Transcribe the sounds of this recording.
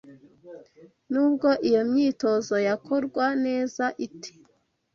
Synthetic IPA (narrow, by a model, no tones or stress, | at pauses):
nuːb̚ɡo̞ʔijo̞mɲiːto̞zo̞jakʰo̞ɾɡwane̞ːzaʔitʰi̥